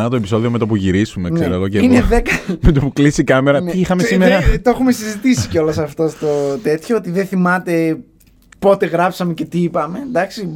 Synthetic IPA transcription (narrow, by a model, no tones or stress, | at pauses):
nɐt̪oepiso̞ðiome̞t̪op̬uʝiɾisumenseɾɐloceinneðekɐmet̪opuklisikɐmeɾɐiixɐmesimeɾɐt̪ooxumesizit̪isi̥ceo̞losɐft̪o̞st̪ot̪e̞t̪çoot̪iðeθimɐt̪e̞ | po̞t̪e̞ɣɾɐpsɐme̞ce̞t̪iipɐme̞d̪ɐksi